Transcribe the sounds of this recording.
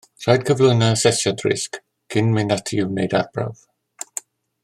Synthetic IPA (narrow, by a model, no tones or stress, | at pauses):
sajd̚kʰəvlɪnasɛsadrɪ̰sk | kʰɪnmɪnatʰiunejdarb̥ra̰v